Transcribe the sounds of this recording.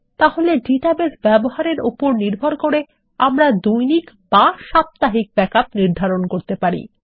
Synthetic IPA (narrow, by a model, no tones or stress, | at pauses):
t̪aholeɖiʈabesbɛboɦaɾeɾupoɾniɾbʱoɾkoɾe | amɾad̪ujnik | baʃap̚t̪aɦik̚bɛkap̚niɾd̪ʱaɾonkoɾt̪epaɾḭ